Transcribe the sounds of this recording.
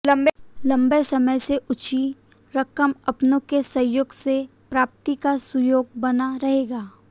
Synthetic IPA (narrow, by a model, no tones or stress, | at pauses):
lɐ̃mblɐ̃mbejsɐməjseʔʊt͡ʃi | ɾəkəmɐpnõkesɐjoːɡse | pɾaːp̚t̪ikasʊjoːɡ̚bɐnaɾɐɦeːɡaː